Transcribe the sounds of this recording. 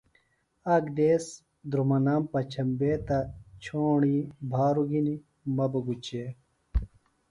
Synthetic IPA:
ɐɡd̪eːs | d̪ɾumɐnaːmpɐt͡ɕʰɐmbeːt̪ɐt͡ɕʰoːɳibʱaːɾuɡini | mɐbɐɡut͡ɕe

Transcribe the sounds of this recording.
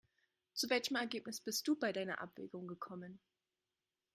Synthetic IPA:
t͡suvɛlçəmɛɐɡeːpnɪsb̥ɪst̚d̥uːbaɪdaɪnɐ̰ʔa̰pv̥ḛːɡʊŋɡəkʰɔmən

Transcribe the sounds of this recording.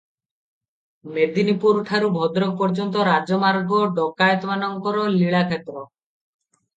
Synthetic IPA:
med̪inipuɾʈʰaɾubʱɔd̪ɾɔk̚pɔɾd͡ʒɔnt̪̬ɔɾad͡ʒɔmaɾɡɔɖɔkajt̪ɔmanɔŋkɔɾɔliɭakʰet̪ɾɔ

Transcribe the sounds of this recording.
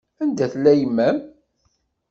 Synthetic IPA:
ænd̪æθlːæjəmːæm

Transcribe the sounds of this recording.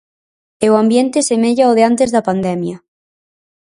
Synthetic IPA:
eoambjent̪esemeʎaoð̞eant̪ezðapand̪ɛmjɐ

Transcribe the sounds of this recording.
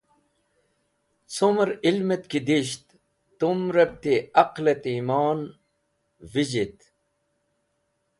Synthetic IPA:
t͡sumɾilmet̪kid̪iɕt̪ː | umɾɐb̚t̪iɐqlet̪imaːn | vid͡ʑit̪

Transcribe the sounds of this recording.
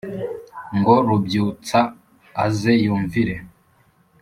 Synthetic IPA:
ŋɡo̞ɾubjuːt͡saː | zejuːɱviɾe̞

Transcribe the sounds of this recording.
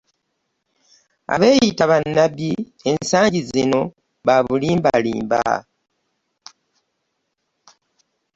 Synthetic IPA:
a̰βe̞ːjitaβanːabji | e̞nsaːɲɟizino̞ | βaβuliːmbalḭːmba̰

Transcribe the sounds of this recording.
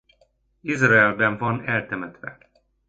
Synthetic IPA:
izrɑɛlbɛɱvɒnɛlt̪ɛmɛt̪ʋɛ̰

